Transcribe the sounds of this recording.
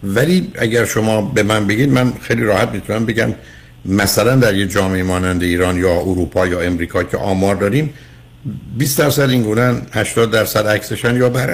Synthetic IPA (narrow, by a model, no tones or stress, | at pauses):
væliːʔæ̰ɟæɾʃo̞mɒːbemænbeɟiːd̪mænxejliːɾɒːhæt̪miːt̪ʰunæmbe̞ɟæm | mæsælænd̪æɾjed͡ʒɒːmeemɒːnænd̪eiːɾɒːnjɒːuɾuːpʰɒːjɒːe̞mɾiːkʰɒːcʰḛʔɒːmɒːɾd̪ɒːɾiːm | biːsd̪æɾsæd̪iŋɡuːnenhæʃt̪ɒːd̪ːæɾsæd̪ækseʃænjɒːbæɾ